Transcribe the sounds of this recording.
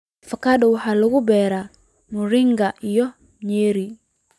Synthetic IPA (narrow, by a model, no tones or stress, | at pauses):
fakaɗɔwħalʊɣubɛɾa | muɾiŋɡaʔijɔ | ɲeɾi